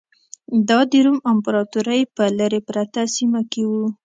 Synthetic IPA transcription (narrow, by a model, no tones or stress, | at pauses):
d̪ɑd̪eɾumampɾɑt̪uɾajpəlaɾepɾat̪asimakewu